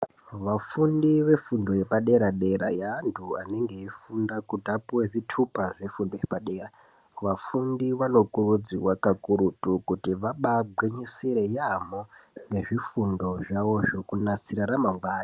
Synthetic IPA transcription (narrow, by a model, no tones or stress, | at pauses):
ʋafundiʋe̞fundo̞je̞paɗe̞ɾaɗe̞ɾa̰jaːntʰuane̞ŋɡe̞ifundakudʱapuweʐitʰupaʐe̞fundo̞jepaɗe̞ːra | ʋafundiʋano̞kurud͡ziwakakuɾutukutiʋaɓabʱwiɲisiɾe̞jamoŋɡe̞ʐifundo̞ʐawo̞ʐokunasiɾaɾamaŋɡwaːjo